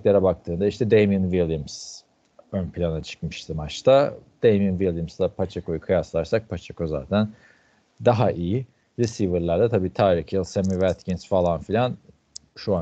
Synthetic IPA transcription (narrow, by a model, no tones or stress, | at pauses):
lʲeɾabak̚t̪ʰɯːnd̪aiʃt̪ʰɛd̪ejmjunvilʲˠjɯms | ønpʰilʲanat͡ʃʰɯ̥kmɯʃt̪ʰɯmat͡ʃt̪ʰad̪̥ejmjunvilʲˠjɯmsd̪apʰat͡ʃʰako̞jukʰɯjaslˠaɾsak̚pʰat͡ʃʰakoza̰ːt̪ʰæn | d̪aɦaʔiji | ɾisivɯɾlˠaɾd̪ɛt̪ʰabiːt̪ʰaːɾicʰilˠsemivæt̪cinsfalˠanfilʲan | ʃua